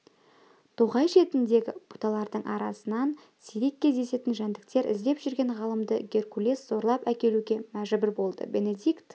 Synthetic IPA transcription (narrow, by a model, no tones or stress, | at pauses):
t̪ʰuʁɑjʃe̞t̪ɪnd̪e̞ɡʲɪ̰b̥u̥t̪ɑlˠɑɾd̪əɴʔɑ̰ɾɑsənɑn | sijɾe̞kʲːe̞zd̪e̞se̞t̪ɪnʒænd̪ɪk̚t̪e̞ɾʔɪ̰zd̪e̞pʒʏɾɡʲe̞ɴʁɑlˠəmd̪əɡʲe̞rkulʲesz̥o̞ɾlˠɑpækʲe̞luɡʲe̞mæʒbɪɾbo̞lˠd̪ə̰be̞ne̞d̪ikt̪